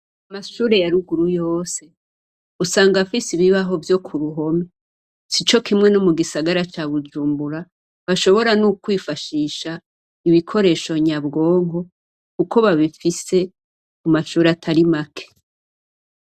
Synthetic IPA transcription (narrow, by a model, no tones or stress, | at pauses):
amaʃuːɾe̞jaɾuɡuɾujo̞ːse̞ | usaːŋɡafisiβiβaɦo̞vjo̞kʰuɾuɦo̞me | sit͡ʃo̞kimŋe̞nomuɡisaɡaɾat͡ʃaβud͡ʒuːmbuɾa | βaʃo̞βo̞ɾanukwiːfaʃiːʃa | iβikʰo̞ɾe̞ːʃo̞ɲaβɡo̞ːŋɦo̞ | kukʰo̞βaβifise̞ | umaʃuːɾeatʰaɾimakʰe̥